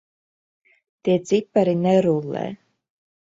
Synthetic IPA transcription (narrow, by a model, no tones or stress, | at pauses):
t̪iɛt̪sipːaɾinɛɾulˠːɛ̰ː